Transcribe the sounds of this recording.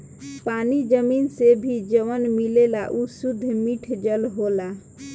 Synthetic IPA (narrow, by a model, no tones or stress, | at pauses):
panid͡ʒəminsebʱid͡ʒəʋənmilelaʔusud̪ʱːmiʈʰd͡ʒəlɦola